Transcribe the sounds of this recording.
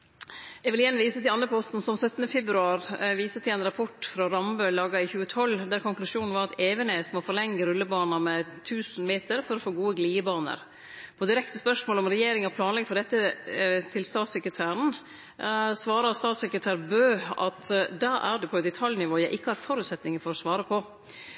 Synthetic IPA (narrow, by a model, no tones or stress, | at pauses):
jɛɡʋɪlɪɛnːʋiːsət̪ʰɪlɑnɾəpʰɔst̪n̩sɔmsœt̪ːənəfɛbɾʉɑːɾʋiːsət̪ʰɪlɛnɾɑpʰɔʈːfɾɑɾɑmbøːlɑːɡɑɪçʉːət̪ʰɔlːd̪æɾkʰʊŋklʉʂuːnn̩ʋɑɾɑt̪ʰeːʋəneːsmɔfɔɾlɛŋːəɾʉlːəbɑːnɑmɛt̪ʰʉːsn̩meːt̪əɾfɔɾɔfoːɡuːəɡliːəbɑːnə̰ɾ | pʰɔd̪ɪɾɛkt̪əspœʂmoːlɔmɾɛjeːɾɪŋɑpʰlɑːnlɛɡəfɔɖɛt̪ːət̪ʰɪlst̪ɑːt̪sɛkɾət̪ʰæːɾən̩ | sʋɑːɾɑst̪ɑːt̪sɛkɾət̪ʰæːɾbøːɑ̰t̪d̪ɑːʔæ̰ɖ̪ʉpʰɔɛt̪̚d̪ɛt̪ʰɑljnɪʋoːjæɪʔɪkːəhɑɾfɔɾʉːt̪sɛt̪nɪŋəfɔɾɔsʋɑːɾəpʰɔ